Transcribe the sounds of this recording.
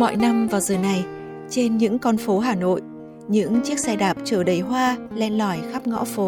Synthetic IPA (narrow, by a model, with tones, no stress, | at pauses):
mɔ̰˧˨jna˧mvaː˨˩wzəː˨˩na˨˩j | t͡ɕe˧nɲɨ̰˧˥ŋkɔ˧nfo˨˦ɦaː˨˩no̰˧˨j | ɲɨ̰˧˥ŋt͡ɕi˦˥ək̚saː˧jɗaː˨˩p̚t͡ɕəː˧˩ɗə˧˩jɦwaː˧lɛ˧nlɔ˧˩jxa˦˥p̚ŋɔ̰˧˥fo˨˦